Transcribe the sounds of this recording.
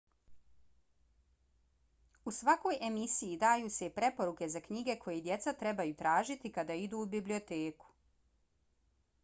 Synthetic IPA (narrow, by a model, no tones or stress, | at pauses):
usʋako̞jʔe̞misijid̪aːjuːseipɾe̞po̞ɾuke̞zakɲiɡe̞kʰo̞jed̪je̞t̪sat̪ɾe̞bajut̪ɾaːʒit̪ikad̪aid̪uːbiblio̞t̪eːku̥